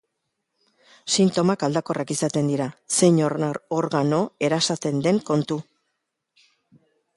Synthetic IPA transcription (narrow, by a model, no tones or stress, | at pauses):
sint̪o̞makald̪ako̞rakisat̪e̞nd̪iɾase̞ɲoɾaɾoɾɣano̞e̞ɾasat͡s̪e̞nd̪e̞ŋko̞nt̪u